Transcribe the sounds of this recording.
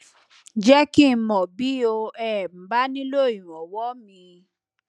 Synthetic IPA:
d͡ʒɛ˦ki˦˨˧mɔ̃˨bi˦o˧ɛ˨m̩˨ba˦nĩ˦lo˦˨i˨ɾ̃ɔ̃˨wɔ˨˦mĩ˧

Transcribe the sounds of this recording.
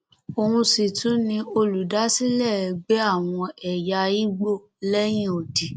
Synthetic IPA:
o˨hũ˧si˨tũ˨˦nĩ˧o˧lu˨da˨˦si˦lɛ˦˨˧ɡ͡be˦a˦˨w̃ɔ̃˧ɛ˨ja˧i˦ɡ͡bo˦˨ | lɛ˦j̃ĩ˦o˨di˨

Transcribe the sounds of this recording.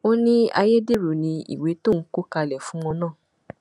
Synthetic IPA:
o˦nĩ˦a̰˧je˦de˦ɾu˨nĩ˧ḭ˨we˨˦to˦˨n̩˦ko˦ka˧lɛ˨fũ˦w̃ɔ̃˧nãː˦˨

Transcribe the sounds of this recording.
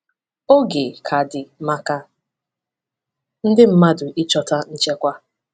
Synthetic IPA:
o˦ɡe˨kʰa˨dɪ˨ma˦ka˦ | n̩˦dɪ˦m̩˦ma˦dʊ˨ʔi˦t͡ʃɔ˦ta˦n̩˦t͡ʃe˦kʷa˦

